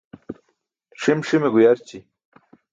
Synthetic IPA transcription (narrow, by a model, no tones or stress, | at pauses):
ʂimʂimeɡujaɾt͡ɕi